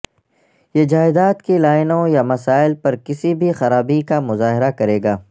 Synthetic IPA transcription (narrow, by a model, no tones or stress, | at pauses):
jeːd͡ʒaːɪd̪aːt̪kilaːɪnõjamɐsaːɪlpɐɾkɪsibʱixɐɾaːbikamʊzaːɦɪɾakɐɾeːɡaː